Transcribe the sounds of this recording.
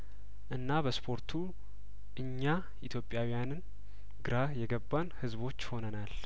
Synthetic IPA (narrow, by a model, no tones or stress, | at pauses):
ʔɨnːaβəspʰo̞ɾt̪ʰu | ʔɨɲːa | ʔit̪ʰjo̞pʼjawijanɨn | ɡɨɾajɛɡəbːanhɨzbo̞t͡ʃːho̞nənal